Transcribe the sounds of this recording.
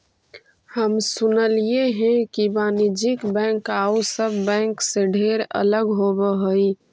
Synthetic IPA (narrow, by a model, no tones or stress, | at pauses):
həmsʊnəlijeɦɛ̃kibaːnid͡ʒikbɛ̃ːŋkausəbːɛ̃ːŋkseɖʱeːɾə̰ləɡɦobəɦəi